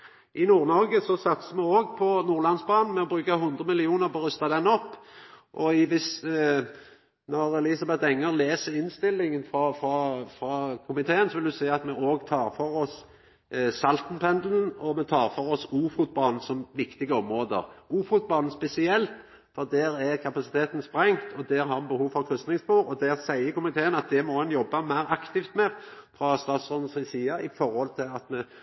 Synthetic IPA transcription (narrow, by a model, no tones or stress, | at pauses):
ʔɪnuːʁnɔɾɡəsɔsɑt̪səmɛoːɡpʰɔnuːʁlɑnsbɑːnn̩mɛɔbɾʉːkaɦʉnd̪ʁəmɪlɪuːnəɾpɔɾʉst̪ɑd̪ɛnːɔpːʔɔɪʋɪs | nɔʁɛlɪsɑbɛt̪ɛŋːəʁleːsəɾɪnst̪ɪlːɪŋənfɾɑfɑfɾɑkʰʊmɪt̪ʰeːənsɔʋɪld̪ʉsæɪɑt̪mɛʔoːɡt̪ʰɑːɾfɔɾɔs | sɑlt̪n̩pʰɛnd̪l̩n̩ɔmɛt̪ʰɑːɾfɔɾɔsuːfut̪̚bɑːnn̩sɔmʋɪkt̪ɪɡəɔmɾoːd̪ə̰ɾuːfʊt̪̚bɑːnn̩spɛsɪɛlt̪ | fɔɾd̪æːɾæɾkʰɑpɑsɪt̪ʰeːt̪n̩spɾɛŋt̪ʰɔd̪ɛːɾɦɑɾbəhuːʋfɔɾkʰɾʏst̪nɪŋspuːɾɔd̪æɾsæɪəkʊmɪt̪ʰeːənɑt̪̚d̪ɛmɔhɛnjɔbːɑmæɪɾɑkt̪ɪft̪mɛfɾɑst̪ɑːt̪sʁɔːd̪n̩sɪsiːɑʔɪfɔɾhɔlt̪ʰɪlɑt̪mɛ